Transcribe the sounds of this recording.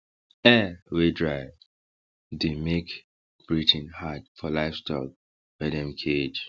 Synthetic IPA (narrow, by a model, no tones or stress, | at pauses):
ɛwedɹa | demek | b̥ɹitʰĩnhad̚fɔlaɪfstʰɔ̰k̚ | bɛdɛ̃mkʰed͡ʒ